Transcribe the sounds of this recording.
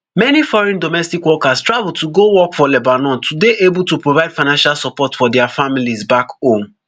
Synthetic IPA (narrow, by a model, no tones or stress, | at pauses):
mɛnifɔɹɛ̃ndɔmɛstikwɔkastɹavulˠtuɡowɔkfɔlɛbanɔ̃ntʰudeʔebultupɹovaɪd̥faɪnãnʃalsɔpɔtfɔdɛafamilizbakõm